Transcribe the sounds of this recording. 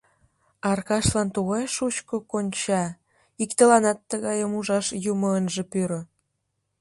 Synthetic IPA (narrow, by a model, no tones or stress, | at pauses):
ɑrkɑʃlɑnt̪uɣɑjʃut͡ɕkokonʲt͡ɕɑ | ikt̪əlɑnɑt̪ːəɣɑjəmuʒɑʃjumoənʒĕpyɾŏ